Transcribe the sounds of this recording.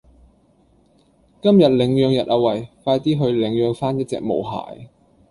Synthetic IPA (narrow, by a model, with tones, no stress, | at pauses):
kɐ˥mjɐ˨˩t̚lɪ˨˥ŋjœː˨˧ŋjɐ˨t̚ʔaː˨˧wɐ˨˩jfaː˧jt̪iː˥ɦɵ˨˧ɥlɪ˨˥ŋjœː˨˧ŋfaː˥njɐ˥t̚t͡sɛ̰ː˨k̚mo̰˨˩wɦa̰ː˨˩j